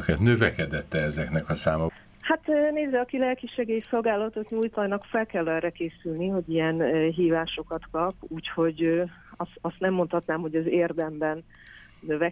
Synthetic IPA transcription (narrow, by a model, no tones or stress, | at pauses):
kɛt̪nø̞vɛkɛd̪ɛt̪ːɛɛzɛknɛkɒsaːmɒ | hat̪ːneːzːɛɒkilɛlkiʃɛɡeːjso̞lɡaːlɒt̪ot̪ɲuːjt̪ɒjnɒkfɛlkɛlːɛːɾɛkeːsylniɦo̞ɟijɛnɦiːvaːʃo̞kɒt̪kɒpuːcho̞ɟ | ɒsɒst̪nɛmːo̞nt̪hɒt̪naːmhoɟɛzeːrd̪ɛmbɛnː | ø̞vɛ